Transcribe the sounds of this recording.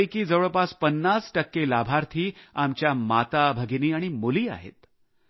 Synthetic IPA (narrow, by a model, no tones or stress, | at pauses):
jkiːd͡zəʋɭəpaspənːasʈəkːelabʱaɾt̪ʰiːamt͡ɕjamat̪abʱəɡiniːaɽ̃imoliːa̰ɦḛt̪